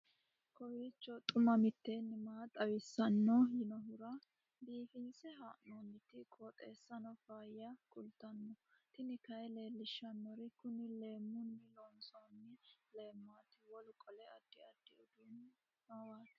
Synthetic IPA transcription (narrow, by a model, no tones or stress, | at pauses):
kɔwiːt͡ʃːɔt̪ʼʊmɐmɪt̪ːeːnːɪmaːt̪ʼɐwɪsːɐnːɔjɪnɔɦʊɾɐ | biːfɪnsɛɦaːʔnomɪt̪ːɪkʼoːt̪ʼeːsːɐnɔfaːjɐkʼʊlt̪ɐnːɔt̪ɪnɪkɐjle̞ːlːɪʃːɐnːɔɾɪkʊnɪle̞ːmːʊnːɪlɔnsoːnːɪle̞ːmːaːt̪ɪwɔlʊkʼɔlɛɐd̪̥ːɪɐd̪̥ːɪɔd̪uːn | mawaːt̪